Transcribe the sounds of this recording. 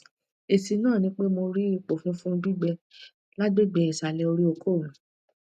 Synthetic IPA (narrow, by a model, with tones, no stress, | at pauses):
e˨si˨˧nãː˦˨nĩ˨˦k͡pe˦mo˧ɾi˦i˦˨k͡po˨fũ˦fũ˦˧bi˦ɡ͡bɛ˧ | la˦ɡ͡be˦˨ɡ͡bɛ˧˨i˨sa˨lɛ˧o˧ɾi˦o˧kʰo˦˨ũ˨